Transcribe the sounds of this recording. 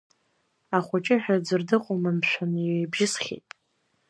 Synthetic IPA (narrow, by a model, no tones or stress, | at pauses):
aχʷʊt͡ʃʼɪħᶣad͡zɨrdɨqʷʼʊmɨmʃʷʰᶣaniejbʒɪsχʲḛtʼ